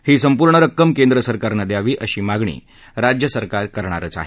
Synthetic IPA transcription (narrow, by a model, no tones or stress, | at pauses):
hiːsəmpuɾɳəɾəkːəmkend̪ɾəsəɾkaɾnəd̪jaʋiːʔəɕiːmaɡɳḭː | ɾad͡ʑjəsəɾkaɾkəɾɳ̃a̰ɾət͡sa̰ɦe